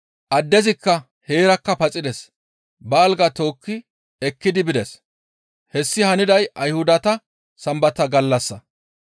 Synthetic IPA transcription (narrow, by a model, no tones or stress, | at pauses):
ʔɐd̪ːɛzɪkːɐ | he̞ːɾɐkːɐpɐt͡sʼɪd̪ɛs | bɐːlɡɐt̪o̞ːkːɪ | ɛkːɪd̪ɪbɪd̪ɛs | hɛsːɪhɐnɪd̪ɐjʔɐjhʊd̪ɐt̪ɐ | sɐmbɐt̪ɐɡɐlːɐsːɐ